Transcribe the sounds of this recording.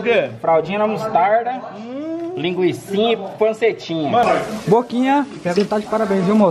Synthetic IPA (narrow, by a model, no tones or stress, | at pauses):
ɡɐfɾawd͡ʒĩɲɐnɐ̃must̪aɾd̪ɐ | lĩŋɡwisĩɲɐipɐ̃set͡ʃĩɲɐbokĩɲɐpeɡũt̪ad͡ʒɪ̥paɾabẽʒĩmo